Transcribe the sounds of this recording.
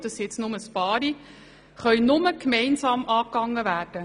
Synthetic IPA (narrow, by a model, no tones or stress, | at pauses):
d̪̥ɑsɛt͡snʊməspɑːɾi | χœʏnʊməkmɛɪnsɑːmʔɑːkɑŋːəvæːrd̥ə